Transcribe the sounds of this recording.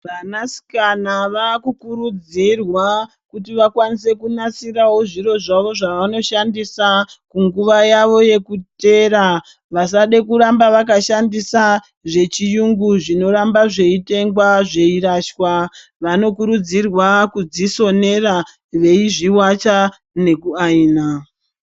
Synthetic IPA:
ʋanasi̥kanaʋakukuɾud͡zirwa | kutiʋakwanis̬e̞kunasiɾawo̞ʐiɾo̞ʐaʋo̞ʐaʋano̞ʃandisakuŋɡuʋajaʋo̞je̞kute̞ɾa | ʋasaɗe̞kuɾambaʋakaʃandisa | ʐe̞t͡ʃijuŋɡuʐino̞ɾambaʐe̞ite̞ŋɡwaʐe̞iraʃwa | ʋano̞kuɾud͡zirwakud͡ziso̞ne̞ra | ʋe̞iʐiwat͡ʃa | ne̞kuaiːna

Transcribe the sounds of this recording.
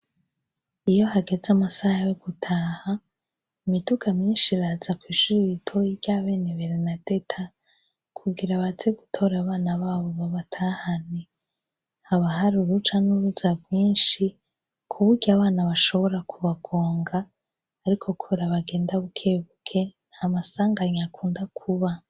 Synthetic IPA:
ijo̞haɡe̞zamasahajoɡutʰaha | imiduɡamɲiːnʃiɾaːzakwiːʃuɾiitʰo̞jiɟaːβe̞ːne̞βe̞ɾenade̞tʰa | kʰuɡiɾaβazeɡutʰo̞ɾaβaːnaβaːβo̞βaβatʰaːhane | haβaɦaɾuɾut͡ʃanuɾuzabwiːnʃi | kʰuβuɾɟaβaːnaβaʃo̞βo̞ɾakuβaɡ̥o̞ːŋɡaː | ɾikʰo̞kʰuβeɾaβaɡe̞ːndaβukʰe̞ːβukʰe̞nhamasaːŋɡaɲakʰuːndakʰuβa

